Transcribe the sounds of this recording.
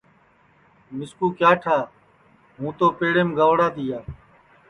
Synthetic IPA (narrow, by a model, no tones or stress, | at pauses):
mɪskuːkjaːʈʰaː | ɦũːt̪oːpeːɽeːmɡəʋɽaːt̪iːɦaː